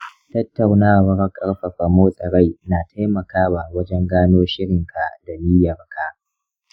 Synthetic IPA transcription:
tɐ˦tːɐ˨wnaː˦˨wɐ˦ɾɐ˦kʼɐ˦ɽɸɐ˨ɸa˨moː˦sʼɐ˨ɽa˦jnaː˨tʰa˦jmɐ˨kaː˦wa˨wɐ˦d͡ʒɛ˦ŋɡaː˦noː˦ʃɪ˦ɽɪ˨ŋkʰa˨ʔda˨liː˦jɐ˨rkʰa˦ʔ

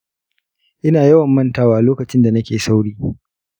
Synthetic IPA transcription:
ʔɪ˦naː˨jɐ˦wɐ˨mːɐ˦ntaː˦waː˦ʔa˨loː˦kɐ˨t͡ʃɪ˦nda˨nɐ˦kʲeː˨sa˦wɽiː˦

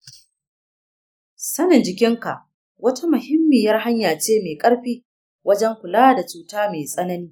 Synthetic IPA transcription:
sɐ˦nɪ˨nd͡ʒɪ˨kʲɪ˦ŋka˨ʔ | wɐ˦ta˦mʊ˨hɪ˦mːiː˨jɐ˦rɦa˦ɲjaː˨t͡ʃeː˦meː˨kʼɐ˦ɽɸiː˦ | wɐ˦d͡ʒɛ˦ŋkʷʊ˨laː˦da˨t͡ʃuː˦taː˦meː˨sʼɐ˦nɐ˦niː˦

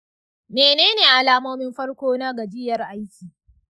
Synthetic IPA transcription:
meː˨neː˦neː˨ʔa˨laː˦moː˦mɪ˦mɸɐ˦rkʷoː˦na˦ɡɐ˨d͡ʒɪ˦jɐ˨rʔa˦jkʲiː˨

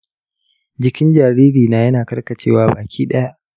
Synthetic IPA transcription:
d͡ʒɪ˨˦kʲɪ˦nd͡ʒaː˨ɾiː˦ɾiː˨na˨jɐ˦naː˨kɐ˦rkɐ˨t͡ʃḛː˦waː˦baː˨kʲʰiː˦ɗɐ˦ja˦ʔ

